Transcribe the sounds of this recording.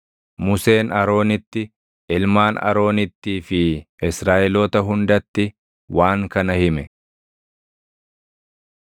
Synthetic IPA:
mʊse̞ːnɐɾo̞ːnɪt̪ːɪ | ɪlmaːnɐ̰ɾo̞ːnɪt̪ːiːfɪʔɪsɾaːʔɛloːt̪ɐɦʊnd̪ɐt̪ːɪ | waːŋkɐnɐhɪmɛ

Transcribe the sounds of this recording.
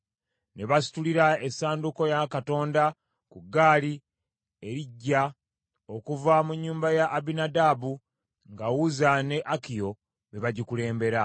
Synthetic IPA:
ne̞βasi̥tuliɾaesaːnduko̞jakato̞ːnda | kuɡaːli | e̞ɾiɟːa | okuvamuɲːuːmbajaʔːbinadabu | ŋɡawuzane̞ʔakijo̞ | βe̞βaɟikule̞ːmbe̞ɾa

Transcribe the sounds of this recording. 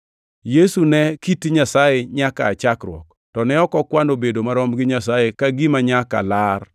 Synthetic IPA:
jesunɛkitiɲasajeɲakaːt͡ʃakɾwɔ̰k | tɔnɛɔkɔkwanobedomaɾɔmɡɪɲasajekaɡimaɲaka̰lar

